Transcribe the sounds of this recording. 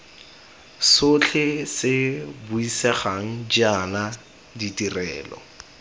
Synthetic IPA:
sʊt͡ɬʰɪsɪbʊisɛχaŋ̩d͡ʒana | ditʼirɛːlɔ̰

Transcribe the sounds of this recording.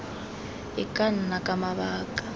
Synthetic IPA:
ɪkʼan̩nakʼamaβaːkʼḁ

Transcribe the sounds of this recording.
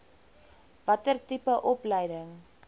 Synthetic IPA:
vɐtərtipəʔɔplɛjdəŋ

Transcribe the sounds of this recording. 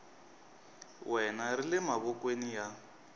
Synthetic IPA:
wɛnarilɛmaβɔkwenija

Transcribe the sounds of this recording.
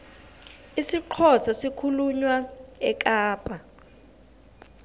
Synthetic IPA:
isiǃʰɔsʰasikʰuluɲwaɛk̬ʼaːpʼa

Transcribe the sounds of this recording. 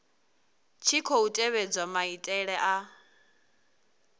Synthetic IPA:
t͡ʃʰikʰoutʼɛβed͡zwamaitʼɛɺɛʔa

